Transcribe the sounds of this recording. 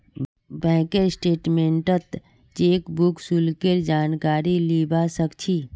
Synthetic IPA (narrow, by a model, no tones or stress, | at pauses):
bɛ̃kesʈeːʈmẽɳʈət̪ | t͡ʃeːkbuksulkeɾd͡ʒaːnkaːɾiliːbasəkt͡ʃʰiː